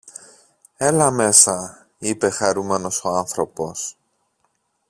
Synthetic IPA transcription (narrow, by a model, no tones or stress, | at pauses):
e̞lɐme̞sɐ | ipe̞xɐɾume̞no̞so̞ɐnθɾo̞po̞s